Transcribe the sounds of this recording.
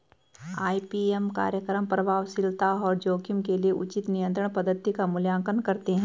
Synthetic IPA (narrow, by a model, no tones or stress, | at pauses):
aːipiemka̰ːɾjəkɾəmpɾɐbʱaːʋsɪlt̪aɔːɾd͡ʒoːkɪmkelieʔʊt͡ʃɪt̪nijə̃nt̪ɾə̃ɽ̃ɳ̃pɐd̪ət̪ːikamʊljãːŋkənkɐɾt̪eɦɛ̃ː